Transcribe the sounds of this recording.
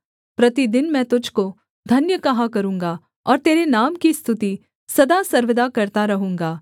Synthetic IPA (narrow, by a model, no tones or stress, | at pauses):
pɾɐt̪id̪ɪnmɛ̃ːt̪ʊd͡ʒʱko | d̪ʱɐnjəkɐɦakɐɾũːŋɡa | ɔːɾt̪eːɾenaːmkist̪ʰʊt̪i | sɐd̪asɐɾʋɪd̪akɐɾt̪aɾɐɦũːŋɡaː